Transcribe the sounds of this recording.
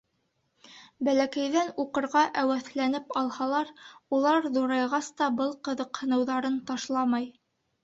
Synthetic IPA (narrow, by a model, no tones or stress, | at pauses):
bælækæjðænuqɤ̆ɾʁɑʔæwæθlænɘpɑlˠhɑlˠɑɾulˠɑɾðuɾɑjʁɑst̪ɑbɤlˠqɤ̆ðɤqhɤ̆nɤ̆wðɑɾɤnt̪ɑʃlˠɑmɑj